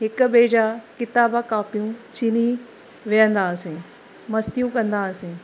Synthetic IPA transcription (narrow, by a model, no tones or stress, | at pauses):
ɦɪk̆beːd͡ʑakɪt̪aːbakaːpijũt͡ɕini | ʋijə̃nd̪aːsẽ | mɐst̪ijũkɐ̃nd̪aɐsẽː